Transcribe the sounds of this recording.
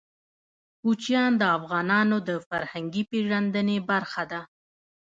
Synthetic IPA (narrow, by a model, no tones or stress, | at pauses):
hut͡ʃjɑnd̪əafɣɑnɑnod̪əfaɾhaŋɡipeʒand̪ənebaɾxad̪a